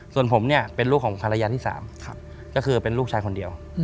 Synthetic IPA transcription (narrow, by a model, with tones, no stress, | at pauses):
su˨˩ənpʰo˩˦mni˥˩ɐpe˧nluː˥˩kʰɔː˩˦pʰa˧ɾa˧jaː˧t̪ʰiː˥˩sa̰ː˩˦m̚˦ | kɔː˥˩kʰɯː˧pe˧nluː˥˩k̚t͡ɕʰaː˧jkʰo˧ndi˧əw